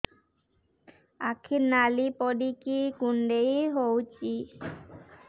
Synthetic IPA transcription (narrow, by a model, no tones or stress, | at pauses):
akʰiɾnalipɔɖikikuɳɖejɦowt͡ɕi